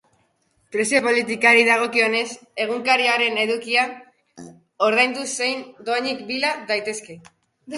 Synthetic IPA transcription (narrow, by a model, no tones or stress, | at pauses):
pɾe̞sio̞po̞lit̪ikaɾiðaɣ̞o̞kio̞ne̞se̞ɣ̞uŋkaɾiaɾe̞ne̞ðukia | o̞ɾð̞ajnd̪use̞jnd̪oaɲikbilaðajt̪e̞ske̞